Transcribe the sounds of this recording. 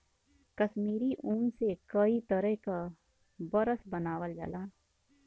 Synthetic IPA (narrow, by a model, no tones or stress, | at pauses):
kɐʃmiːɾiʔuːnsekɐit̪əɾəɦka | bɐɾəsbɐnaːʋəld͡ʒə̰laː